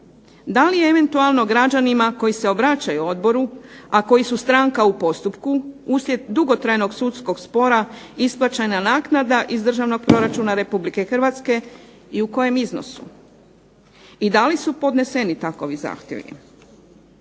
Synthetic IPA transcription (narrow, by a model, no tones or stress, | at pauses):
d̪alijeeʋe̞nt̪ualˠno̞ɡɾad͡ʒanimako̞jise̞o̞bɾat͡ɕajuo̞d̪bo̞ɾuako̞jisust̪ɾaŋkaupo̞st̪upkuuslʲjed̪d̪uɡo̞t̪ɾajno̞ɡsut̪sko̞ɡspo̞ɾaisplˠat͡ɕajnanaːknad̪aʔizd̪r̩ʒaʋno̞ɡ̚pɾo̞ɾat͡ʃunaɾe̞publike̞xrʋat̪ske̞ | iuko̞je̞mizno̰sṵ | id̪alisupo̞d̪ne̞se̞nit̪ako̞ʋiza̰ːxt̪jḛʋḭ